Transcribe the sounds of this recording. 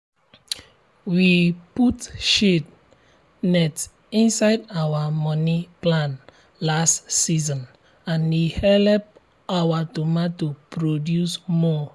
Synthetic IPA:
wiputʃed | nɛt | ĩnsaɪdawamɔniplãn | lastsizɔ̃n | ãnwihɛlɛp̚ | awatumatupɹodjusmɔ

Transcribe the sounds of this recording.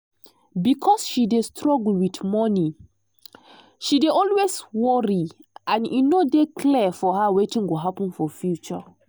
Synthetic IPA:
bikʰɔsʃidestʰɹɔɡl̩witmɔni | ʃideɔlweswɔɹiʔãninodekʰlɛfɔɦawetĩnɡoɦapə̃nfɔfjut͡ʃɔ̰

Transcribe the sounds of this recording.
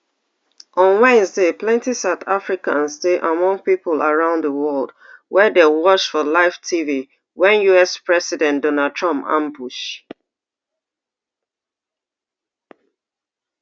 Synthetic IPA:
ɔ̃nwɛ̃nsdeplɛ̃ntisaʊtafɹikã̰nsteʔamɔ̃ŋpipolaɹãʊ̃nðəwɔlˠd | wɛdewɔʃfɔlaɪftʰivi | wɛ̃njuɛspɹɛsidɛ̃ntdɔnad̚tʰɹɔ̃mpã̰mbuʃ

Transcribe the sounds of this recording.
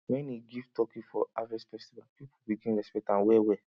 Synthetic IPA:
wɛ̃niɡivtɔkifɔavɛsfɛstivalpipubikĩnɹɛspɛk̚tãnwɛwɛ

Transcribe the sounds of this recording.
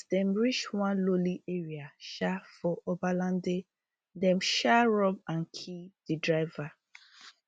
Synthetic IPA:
dɛ̃mɹit͡ʃwãnloliʔeɹiaʃafɔʔobalãnde | dɛ̃mʃaɹɔbãnkʰid̥idɹaɪva

